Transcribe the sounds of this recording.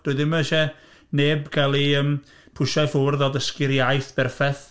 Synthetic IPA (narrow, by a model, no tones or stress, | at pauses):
d̥ʊɨðɪməʃɛ | neːbkʰalˠiəm | pʰʊʃajθʊrðɔdəskɪɾjajθb̥ɛrfɛθ